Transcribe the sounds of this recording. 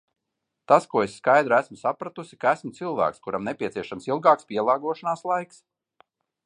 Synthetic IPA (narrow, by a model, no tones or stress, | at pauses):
t̪askuɔesːkajd̪ɾæsmʊsapɾat̪usi̥kaæsmʊt̪silˠvæ̰ːkskuɾamnepʲiɛt̪siɛʃamsilˠɡaːkspʲiɛlˠɑːɡuɔʃanaːslˠajks